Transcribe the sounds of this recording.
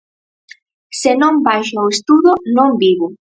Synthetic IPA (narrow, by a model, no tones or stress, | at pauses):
sɪnõmbajʃaoest̪uðʊnõŋbiβʊ